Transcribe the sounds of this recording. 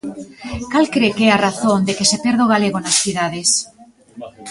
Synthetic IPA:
kalkɾekɛaraθond̪ekesepeɾð̞oɣaleɣ̞onasθiðað̞es

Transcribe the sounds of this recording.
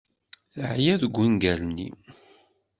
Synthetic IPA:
θəʕjæðəɡʷːinɡælnḭ

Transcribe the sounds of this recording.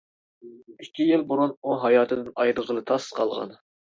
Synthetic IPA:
ikʲʰːijɪlˠbʊɾunuɦɑjɑːt̪ʰɨd̪ɨnɑjɾəʁəlˠɨt̪ʰɑsqʰɑlˠʁɑ̰n

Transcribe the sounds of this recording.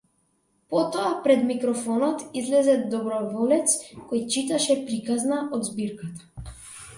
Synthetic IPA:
pɔt̪ɔapɾɛd̪mikɾɔfɔnɔt̪izlɛzɛd̪ɔbɾɔvɔlɛt̪skɔjt͡ʃit̪aʃɛpɾikaznaɔd̪zbiɾkat̪ḁ

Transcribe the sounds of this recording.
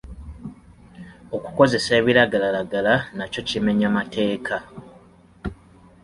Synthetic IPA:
o̞ku̥ko̞ze̞seːβiɾaɡalalaɡalanaco̞cime̞ɲamate̞ːkʰa

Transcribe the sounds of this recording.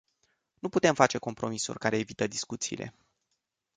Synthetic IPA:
nuput̪e̞mfat͡ʃe̞ko̞mpɾo̞misṵrʲkaɾe̞ːvit̪əd̪iskut̪sḭːlʔe̞̰

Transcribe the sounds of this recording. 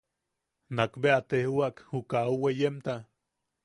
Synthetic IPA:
nakbeat̪ehuakhukauwejemt̪a

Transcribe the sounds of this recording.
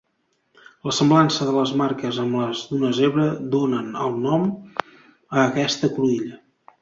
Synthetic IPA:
ləsəmblansəðələzmaɾkəzəmləzðunəzeβɾəd̪onənəlˠnɔm | əːkɛst̪əkluiʎə

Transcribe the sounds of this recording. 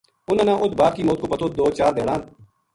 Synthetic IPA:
ʊnãːnãːʔʊt̪baːb̚kiːmoːt̪̚koːpət̪ʰoːt̪̚d̪oːt͡ʃaːɾd̪eːɽãːn

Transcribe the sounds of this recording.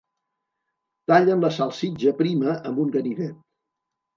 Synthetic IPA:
t̪aʎənləsalˠsid͡ʒəpɾiməʔəmbuŋɡəniðet̪

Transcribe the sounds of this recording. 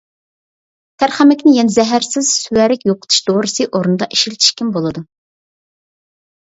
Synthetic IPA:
t̪ʰæɾχæmɛkʲnɪjɛnzɛɦæɾsɪz̥sywæɾɪkʲjoqʊ̥t̪ʰu̥ʃd̪oɾɨsɨʔoɾnɨd̪ɑʔi̥ʃilt̪ʰi̥ʃkʲʰimbolˠɨd̪u

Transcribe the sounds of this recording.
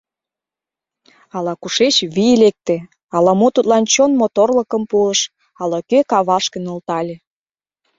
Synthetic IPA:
ɑlɑkuʃet͡ɕβilek̚t̪ĕ | ɑlɑmot̪ut̪lɑnt͡ɕonmot̪orlə̆kəmpuəʃ | ɑlɑkøkɑβɑʃkə̆nolt̪ɑlʲĕ

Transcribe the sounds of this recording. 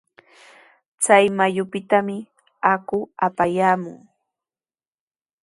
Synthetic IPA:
t͡sajmajʊpɪt̪amɪ | akʊapajaːmʊ̰ŋ

